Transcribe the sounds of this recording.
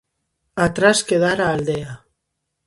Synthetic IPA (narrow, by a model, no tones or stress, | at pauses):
at̪ɾaskeðaɾaːld̪ea